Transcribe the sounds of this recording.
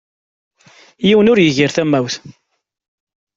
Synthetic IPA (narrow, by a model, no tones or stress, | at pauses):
jiwənʊɾjəʝiɾθæmːæwθ